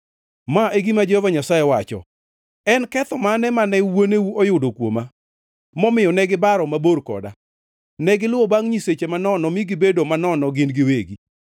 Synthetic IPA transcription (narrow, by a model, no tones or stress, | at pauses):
maʔeɡimad͡ʒovaɲasajewat͡ʃɔ̰ | ɛnkɛt̪ɔmanɛmanɛwonewuʔɔjʊdokwo̰ma | mɔmɪjɔnɛɡɪbaɾɔmaboɾkɔ̰da | nɛɡɪlʊɔbaŋɲiset͡ʃemanɔnɔmiɡɪbedomanɔnɔɡɪnɡɪweɡi